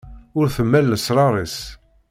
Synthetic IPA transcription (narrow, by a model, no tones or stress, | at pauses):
ʊɾθəmːælːəsɾˤɑɾˤis